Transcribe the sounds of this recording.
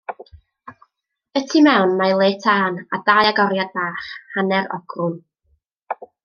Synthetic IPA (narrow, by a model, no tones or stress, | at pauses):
ətʰimɛwnmajlˠeːtʰaːnadajaɡɔɾjad̚baːχhanɛɾɔ̰ɡ̥rʊn